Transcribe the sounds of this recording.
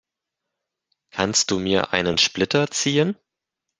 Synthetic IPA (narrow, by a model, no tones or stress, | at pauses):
kʰanst̚d̥uːmiːɐʔa̰ɪnənʃplɪtɐt͡siːən